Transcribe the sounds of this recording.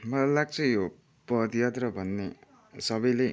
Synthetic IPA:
mʌlalaɡ̚t͡sʰʌjo | pʌd̪jat̪rʌbʱʌnːe | sʌbʌjle

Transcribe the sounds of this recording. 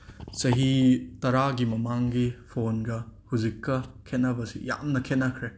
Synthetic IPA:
sɐɦitɐɾaɡimɐmaŋɡipʰonɡɐhuzikːɐkʰetnɐbɐsḭja̰mnɐkʰenɐkʰɾe

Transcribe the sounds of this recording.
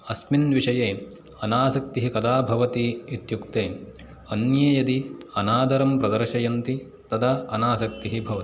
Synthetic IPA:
ɐsminʋiʂɐjeː | ɐnaːsɐk̚t̪iɦikɐd̪aːbʱɐʋɐt̪iit̪jukt̪eː | ɐnjeːjɐd̪iɐnaːd̪ɐɾɐmpɾɐd̪ɐɾʃɐjɐnt̪i | t̪ɐd̪ɐɐnaːsɐk̚t̪iɦibʱɐʋɐt̪i̥

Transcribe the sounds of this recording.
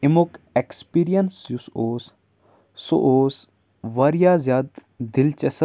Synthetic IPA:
imokekspiːɾijɐnsjusoːsː | o̰ʔoːs | ʋɐɾijaːzjaːd̪̚ | d̪ɪlt͡ʃɐsɐ

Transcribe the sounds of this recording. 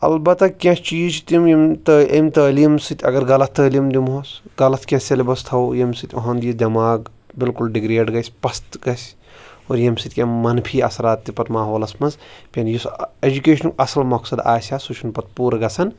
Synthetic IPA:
ɐ̰lbɐt̪ɐkʲãst͡ʃiːt͡ʃʰt̪imjimt̪əʔɐ̰mt̪əːliːmsɨt̪ʰʲɐ̰ɡɐɾɡɐlɐt̪̚ʰt̪əːlimd̪imɦosɡɐlɐt̪ʰkʲãselibɐst̪ʰɐwjɐmsit̪ʲoɦɐnd̪jid̪ʲɐmaːɡ | bilkulɖiɡɾeːɖɡɐsʲpɐst̪ɡɐsʲ | oːɾjɐmsit̪ʲkʲãmmːɐnpʰiːɐ̰sɐɾaːt̪ːipɐt̪maːɦoːlɐsmɐnzpʲɐnjised͡ʒukeːʃɐnkɐsɐlmɐksɐd̪a̰ːsʲasut͡ʃʰunpɐt̪̚puːɾɡɐsɐn

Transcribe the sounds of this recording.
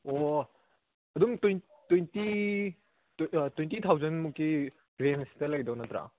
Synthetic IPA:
o | ɐdumtojntejnti | twentit̪ʰawzɐnmuk̚kːi | ɡɾenstɐlɐɡidɐwnɐt̪ɾa̰

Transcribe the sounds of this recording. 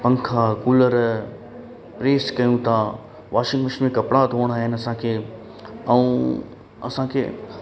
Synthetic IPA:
pɐ̃ŋkʰakuːləɾ | pɾeːskɐjũt̪ʰa | ʋaːʃɪ̃ŋɡməʃmẽkɐpɽat̪oːəɽ̃aːɦɪnɪ̆ɐsãkʰeː | ɛũ | ɐ̰sãkʰḛː

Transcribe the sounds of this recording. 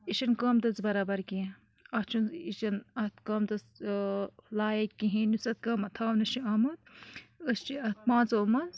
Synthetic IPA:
iʃɐnkaːmt̪ɐt͡sbɐɾaːbɐɾki | ɐt͡ʃʰuniʃɐnɐt̪kɐːmt̪ɐt͡s | laːjɐkʲːiɦĩnusɐt̪̚kɐːmɐt̪ʰaːwnɐʃiɐmɐt̪̚əst͡ʃiɐt̪̚mãːnt͡soːmɐn

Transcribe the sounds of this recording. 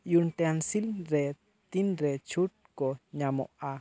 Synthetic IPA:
junt̪eansilɾe | t̪inɾet͡ʃuʈ̪̚koɲãmo̰ʔa

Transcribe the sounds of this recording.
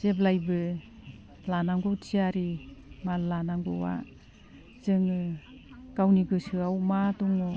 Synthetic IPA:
z̥eblajbɯ | lanaŋɡɔtʰiaɾimallanaŋɡɔwa̰ | zɯŋɯ | ɡ̥awniɡɯsɯawmatɔŋɔ

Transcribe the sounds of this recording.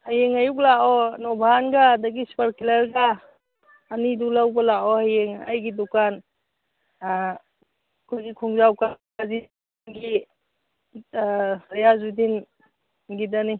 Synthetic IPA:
hajeŋajuklaʔɔnɔbʱanɡadaɡispaɾkilaɾɡaː | nidulawbalaɔhajeŋa̰jɡidukan | kʰujɡikʰuŋzawka | azi | nɡi | ɾajazudin | ɡidani

